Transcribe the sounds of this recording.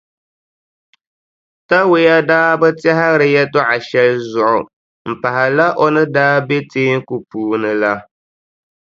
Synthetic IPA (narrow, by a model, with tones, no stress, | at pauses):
ta˦we˦ja˦daː˦bɛ˦tɛ˦ɦa˦ɾɨ˨jɛ˦tʊ˦ʔa˨ʃɛ˦lzʊ˨ʔʊ˨ | m̩˨pa˨ɦa˨la˦ʔo˦nɨ˦daː˦be˦teː˦ŋ˦ku˨puː˦nɨ˦la˦